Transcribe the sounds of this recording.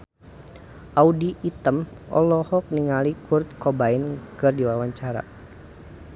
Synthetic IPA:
ʔaudiʔːt̪əmʔɔ̰lɔhɔk̚niŋalikurt̪̚kɔbainkɨrdiwawaɲt͡ʃaɾa̰

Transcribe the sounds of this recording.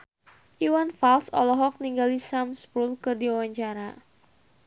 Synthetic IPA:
ʔiwanfalsɔ̰lɔɦɔk̚niŋɡalisamspulkɨrdiwawaɲt͡ʃaɾa

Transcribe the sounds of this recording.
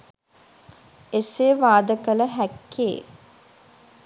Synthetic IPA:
eseʋaːd̪əkələɦækːḛː

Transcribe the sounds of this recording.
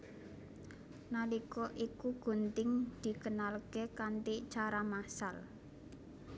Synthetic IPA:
nalikɔʔikuɡ̥o̤nt̪ɪŋd̪̥i̤kənalɡ̥e̤kant̪it͡ʃaɾamasal

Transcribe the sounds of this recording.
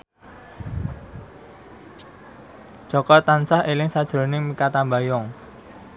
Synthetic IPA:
ʒ̥ɔ̤kɔt̪ansahelɪŋsad̥ʒ̥ɾo̤nɪŋmikat̪ambajɔŋ

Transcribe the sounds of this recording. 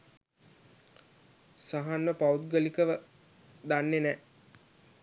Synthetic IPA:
saɦanməpaut̪̚ɡəlikəʋə | d̪anːenɛ

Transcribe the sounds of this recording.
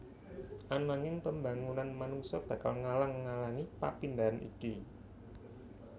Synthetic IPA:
ʔanaŋɪŋpəmba̤ŋunanmanuŋsɔb̥ä̤kalŋalaŋːalaŋipa̰pind̪anʔḭki

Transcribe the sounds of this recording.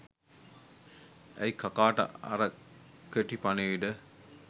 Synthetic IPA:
æjkakaːʈə̰ɐ̰ɾəkøʈipaneiɖə

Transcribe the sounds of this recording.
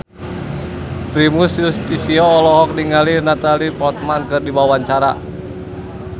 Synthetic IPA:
p̪ɾimusjust̪isiɔːlɔɦɔk̚niŋalinat̪alipɔt̪̚mankɨrdibawaɲt͡ʃaɾa

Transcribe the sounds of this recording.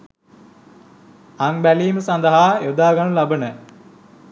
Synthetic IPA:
aŋbæliːməsand̪əɦaːjod̪aːɡanəlabənə

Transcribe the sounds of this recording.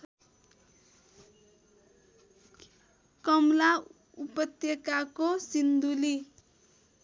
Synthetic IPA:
kʌmla | upʌt̪jʌkakosind̪uli

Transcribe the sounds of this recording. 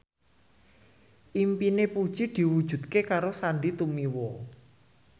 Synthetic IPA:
ʔimpinepud̥ʒ̥i̤d̪̥i̤wud̥ʒ̥ṳt̪kekaɾosaɳɖit̪umiwɔ

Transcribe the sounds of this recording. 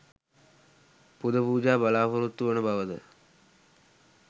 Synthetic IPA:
pud̪ɐpuːd͡ʒaːbɐlaːpuɾut̪ːuʋɐnəbɐʋəd̪ə̰

